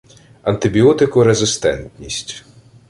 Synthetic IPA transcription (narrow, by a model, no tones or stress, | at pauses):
ɐnt̪ɪbʲiɔt̪ɪkʊɾezɪst̪ɛ̰nt̪nʲisʲtʲ